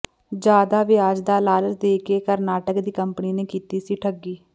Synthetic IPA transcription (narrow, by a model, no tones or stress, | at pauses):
d͡ʒjaːd̪aːʋɪaːd͡ʒd̪aːlaːləsd̪eːkeːkəɾnaːʈəkd̪iːkəmpniːneːkiːt̪iːsiːʈʰəɡːiː